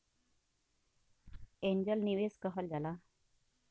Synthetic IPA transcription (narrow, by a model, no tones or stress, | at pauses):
eɲd͡ʑəlniʋeskəɦəld͡zala